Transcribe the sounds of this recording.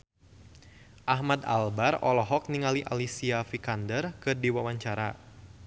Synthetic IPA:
ʔahmad̪a̰lbarɔlɔɦɔk̚niŋaliʔa̰lisiafikandərkɨdiwawaɲt͡ʃaɾa

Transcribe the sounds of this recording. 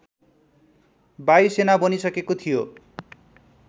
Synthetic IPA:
bajsenabonisʌkekot̪ʰijo

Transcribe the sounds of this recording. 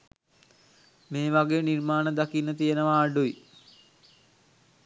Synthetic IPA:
meːʋaɡeːnirmaːnəd̪akinːət̪ijenəʋaːɖui

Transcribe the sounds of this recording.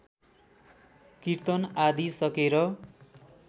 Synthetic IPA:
kiɾt̪ʌnad̪isʌkeɾʌ

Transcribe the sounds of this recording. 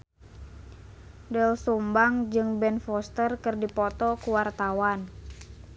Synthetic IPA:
dɛlsumbaŋd͡ʒɨŋbɛnfɔst̪ərkɨrdipɔt̪ɔkuwart̪awan

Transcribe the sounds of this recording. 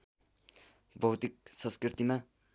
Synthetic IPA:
bʱʌwt̪ik̚sʌ̃nskrit̪ima

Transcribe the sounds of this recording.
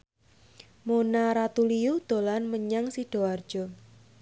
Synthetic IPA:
monaɾat̪uliud̪̥o̤lanməɲaŋsihɖ̥o̤ard̥ʒ̥ɔ̤

